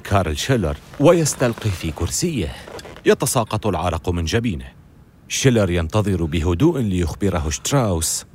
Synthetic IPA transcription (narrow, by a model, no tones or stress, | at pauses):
kʰɑːɾˤɪlʃɪlɑ̰ɾˤwajast̪alqifikʊɾsɪjːahjɑt̪ɑsˤɑːqɑt̪ˤʊlʕɑ̰ɾˤɑqmɪnd͡ʒabiːnɪh | ʃɪlɑɾˤjɑnt̪ɑðˤɨɾbɪɦʊd̪uːʔlɪjʊxbɪɾaɦʊʃt̪ɾaws